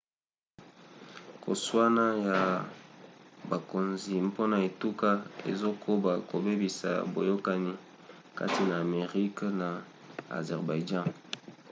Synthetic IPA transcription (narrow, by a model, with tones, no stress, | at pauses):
ko̰˨swa˦na˦ja˨ | ba˨ko˨nzi˨mpo˦na˨e˨tu˦ka˦ḛ˨zo˦kʰo˦ba˨ko˨be˦bi˨sa̰˨bo˨jo˦ka˨ni˦ | ka̰˦ti˦naː˨me˨ʁi˦kna˨ | a̰˨zɛ˨ʁba˨i˨d͡ʒã˦